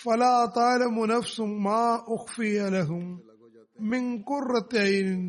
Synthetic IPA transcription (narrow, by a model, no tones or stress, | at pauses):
falaːt̪ˤɑːlamʊnafsʊmaːʔʊxfɪjalaɦʊmː | ɪnkʊrːɑt̪ː